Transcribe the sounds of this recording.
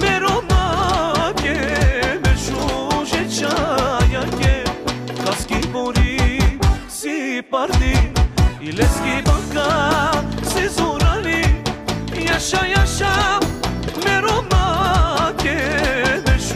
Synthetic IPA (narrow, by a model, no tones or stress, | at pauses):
meɾoma | kemeʃuʒet͡ʃajɐ̃kekɐskiboɾi | sipɐɾd̪i | ileskibɐ̃ɡa | sizoɾɐli | jɐʃajɐʃa | meɾomakebeʃ